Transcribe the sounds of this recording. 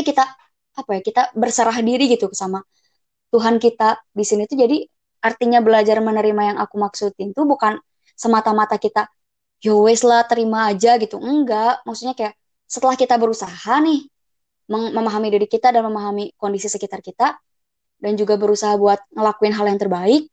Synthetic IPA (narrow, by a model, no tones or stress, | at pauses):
kit̪aː | pajakit̪abərsəɾahdiɾiɡit̪ukəsama | t̪uɦankit̪adisinit̪ud͡ʒadi | art̪iɲabəlad͡ʒarmənəɾimajaŋakumaksut̪ɪnt̪ubukan | səmat̪amat̪akit̪a | jowɛslaht̪əɾimaːd͡ʒaɡit̪uəəŋɡaʔmaksuɲakajaʔ | sət̪əlahkit̪abəɾusahanɪh | məŋməmaɦamidiɾikit̪adanməmaɦamikondisisəkit̪arkit̪a | dand͡ʒuɡabəɾusaɦabuat̪̚ŋəlakuɪnɦaljaŋt̪ərbaɪk̚